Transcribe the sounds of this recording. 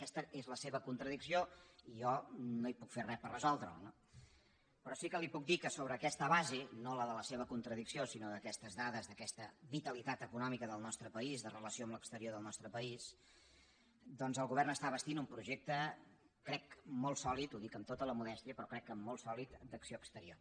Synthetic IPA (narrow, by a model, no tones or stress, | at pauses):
əkɛst̪əʔezləseβəkunt̪ɾəðiksioijɔnoipukferɛpərəzɔlˠd̪ɾə̰lno | pɾɔsikəlipuk̚d̪ikəsoβ̞ɾəːkɛst̪əβazenoləðələseβəkunt̪ɾəðiksiosinoðəkɛst̪əzðaðəzðəkɛst̪əβit̪əlit̪at̪əkunɔmikəðəlˠnɔst̪ɾəpəizðərələsioəmləkst̪əɾioðəlˠnɔst̪ɾəpəis | d̪ɔnzəlˠɣuβ̞ɛrnəst̪aβəst̪inumpɾuʒek̚t̪ə | kɾɛkmolˠsɔlit̪uðikəmt̪ot̪ələmuðɛst̪iəpɾɔkɾɛkːəmːolˠsɔlit̪d̪əksioəkst̪əɾio